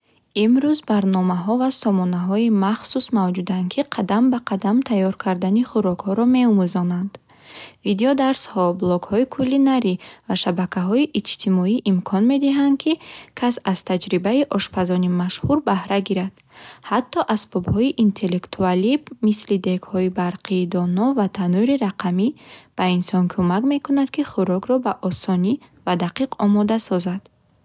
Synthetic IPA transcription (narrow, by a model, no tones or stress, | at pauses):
imɾuzbaɾnɔmaɦɔvasɔmɔnaɦɔimaχsusmavd͡ʒud̪ankʰiqʰad̪ambaqʰad̪amt̪ʰajːɔɾkʰaɾd̪aniχuɾɔkhɔɾɔme̞umuzɔnand̪̥ | vid̪eɔd̪aɾshɔblɔɡhɔikʰulːinaɾivaʃabakʰaɦɔiʔit͡ʃt̪ʰimɔiʔimkʰɔnme̞d̪iɦand̪̚kʰikʰasaz̥t̪ʰad͡ʒɾibaiʔɔʃpʰazɔnimaʃhuɾbahɾaɡiɾad̪̥ | hat̪ʰːɔʔaspʰɔbhɔiʔint̪ʰe̞lːekt̪ʰualibmislid̪e̞khɔibaɾqʰiːd̪ɔnɔvat̪ʰanuɾiɾaqʰamib̥ainsɔnkʰumakme̞kunad̪kʰiχuɾɔɡɾɔbaʔɔsɔni | vad̪aqiqʰɔmɔd̪asɔzad̪̥